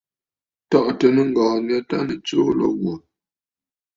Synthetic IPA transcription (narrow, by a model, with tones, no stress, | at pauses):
tɔ˦˨ʔtə˨nə˦ŋ̩˦ɡɔ̃ː˨n˦a˦ta˦nə˨t͡soː˦lɔ̰˦ɣwo˨